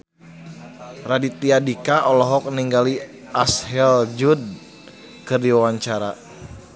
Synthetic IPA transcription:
radit̪iadikaʔɔlɔɦɔk̚niŋɡali | ashɛld͡ʒud̚ | kɨrdiwawaɲt͡ʃaɾa

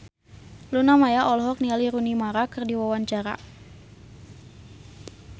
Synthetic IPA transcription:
lunamajaʔɔlɦɔk̚nialiɾunimaɾakərdiwawaɲt͡ʃaɾa̰

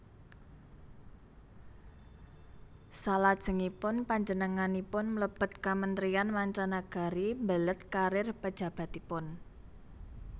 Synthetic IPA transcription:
salad̥ʒ̥ə̤ŋipʊnpaɲd͡ʒənəŋanipʊnmləb̥ə̤t̪kamənt̪ɾianmaɲt͡ʃanaɡ̥a̤ɾimbələt̪̚kaɾɪrpəd̥ʒ̥a̤b̥a̤t̪ipʊn

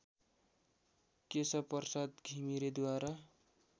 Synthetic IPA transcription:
kesʌpʌrsat̪ɡʱimiɾed̪waɾa

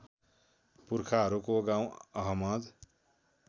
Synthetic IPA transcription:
puɾkʰaɦʌɾukoɡãw̃ʌɦʌmʌd̪

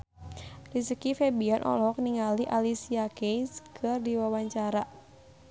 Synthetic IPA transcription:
ris̬əkifebianʔɔ̰lɔk̚niŋaliʔalisiakejskʰɨrdiwawaɲt͡ʃaɾa

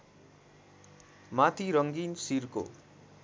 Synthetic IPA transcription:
mat̪ʰiɾʌŋɡinsirko̰

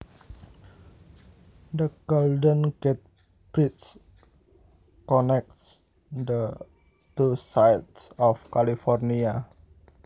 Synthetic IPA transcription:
d̪əɡ̥ɔldə̃nket̪̚ | b̥ɾits | kɔnɛk̚ts | d̪ə | t̪usajtsɔfkalifɔrnia

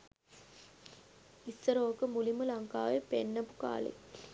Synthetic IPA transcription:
isːɐɾoːkɯmulimulɐŋkaːʋepenːɐbuka̰ːlḛ

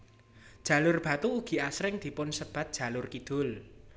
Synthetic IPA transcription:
dʒ̥a̤lʊrb̥a̤t̪uːɡ̥i̤asɾɪŋd̪̥i̤pʊnsəb̥a̤t̪̚d̥ʒ̥a̤lʊrkid̪̥ʊl

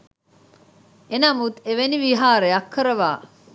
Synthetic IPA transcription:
enɐmut̪eʋeniʋiɦaːɾeɐkːɐɾɐʋaː

